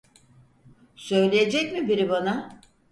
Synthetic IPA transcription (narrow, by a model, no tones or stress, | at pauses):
sø̞jlʲejed͡ʒɛcmibiɾibana